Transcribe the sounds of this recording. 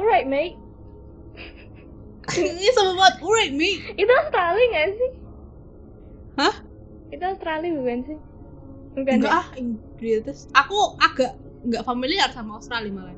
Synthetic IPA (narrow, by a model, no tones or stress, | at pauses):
uɾat̪̚mejʔ | isəməmat̪̚uɾat̪̚mejʔit̪uast̪ɾaliŋasih | hah | it̪ust̪ɾalibṳkansɪh | bukaŋɡaʔahiŋɡɾit̪əsakuaɡ̥a̤ʔ | ŋɡaʔfamiliarsamaust̪ɾalimala